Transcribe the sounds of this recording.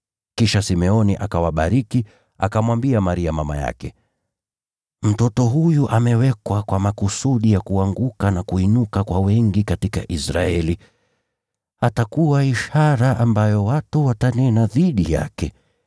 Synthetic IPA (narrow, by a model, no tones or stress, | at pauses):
kiʃasimɛɔniʔakawaɓaɾiki | a̰kamwambiamaɾiamama̰ja̰kɛ | m̩tɔtɔɦujuʔamɛwɛkwakwamakusuɗijakuaŋɡukanakuinukakwawɛŋɡikatika̰ʔisɾa̰ɛli | atakuwaiʃaɾaʔambajɔwatuwatanɛnaðiɗija̰kɛ